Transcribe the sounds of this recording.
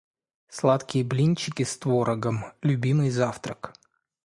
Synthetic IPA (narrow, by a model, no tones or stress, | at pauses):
slˠat̪kʲɪjəblʲinʲt͡ɕːɪkʲɪst̪voɾəɡəmlʲʊbʲimɨjzaft̪ɾək